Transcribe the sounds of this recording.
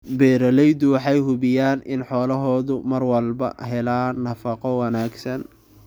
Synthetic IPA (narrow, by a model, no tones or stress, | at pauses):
bɛːɾɐlɛjd̪ʊwɑħɑjɦʊβɪjaːnɪnħɔːlɐɦɔːðʊmɐrwɐlbɐ̰ɦɛlaːnɐfɑqɔwɑnaːɡsɐn